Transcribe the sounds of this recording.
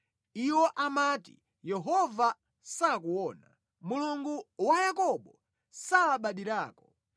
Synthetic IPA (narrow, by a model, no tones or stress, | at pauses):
iwɔʔamatḭ | jɛɦɔva | sakuwɔːna | muluŋɡuwajakɔɓɔ | saːɓaɗiɾaːkɔ